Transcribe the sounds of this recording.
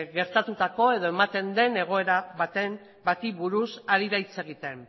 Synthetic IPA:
ɣeɾt̪at̪ut̪ako̞e̞ðo̞e̞mat̪e̞nd̪e̞ne̞ɣ̞o̞e̞ɾaβat̪em | bat̪iβuɾusaɾiðajt͡se̞ɣ̞it̪e̞m

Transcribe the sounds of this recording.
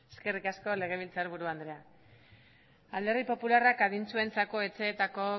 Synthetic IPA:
eske̞rikasko̞le̞ɣ̞e̞β̞ilt͡saɾβuɾuand̪ɾe̞a | ald̪e̞ɾðipo̞pularakaɣint͡sue̞nt͡sako̞e̞t͡se̞ːt̪ako̞

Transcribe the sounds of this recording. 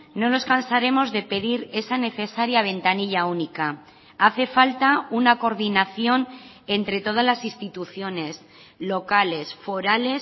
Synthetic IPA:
no̞no̞skansaɾe̞mo̞zðe̞pe̞ðiɾe̞sane̞θe̞saɾjaβ̞e̞nt̪aniʎaunika | aθe̞falt̪aunako̞ɾðinaθjo̞n | e̞nt̪ɾe̞t̪o̞ð̞azlasinst̪it̪uθjo̞ne̞s | lo̞kale̞sfo̞ɾale̞s

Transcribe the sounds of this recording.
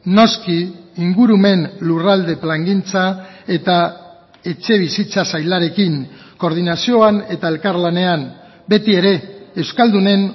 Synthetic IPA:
no̞skiːŋɡuɾume̞nlurald̪e̞plaŋɡint͡sae̞t̪a | e̞t͡ʃe̞β̞isit͡sasajlaɾe̞kiŋ | ko̞ɾð̞inasio̞ane̞t̪ae̞lkaɾlane̞an | be̞t̪ie̞ɾe̞ːwskald̪une̞n

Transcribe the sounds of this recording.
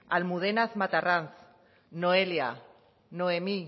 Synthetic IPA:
almuðenaθmat̪aranθ | noelja | noemi

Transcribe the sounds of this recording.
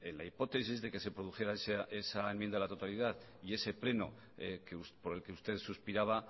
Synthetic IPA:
enlaipo̞t̪e̞s̬izðe̞ke̞se̞pɾo̞ð̞uxe̞ɾaeseesaemjend̪aelat̪o̞t̪aliðað | ie̞se̞ple̞no̰ | keuspoɾe̞lke̞ust̪e̞ðsuspiɾaβ̞a

